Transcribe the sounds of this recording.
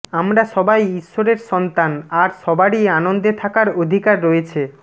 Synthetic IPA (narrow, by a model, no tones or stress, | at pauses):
amɾaʃɔbajiʃːoɾeɾʃɔnt̪anaɾʃɔbaɾianond̪et̪ʰakaɾod̪ʱikaɾːoet͡ɕʰe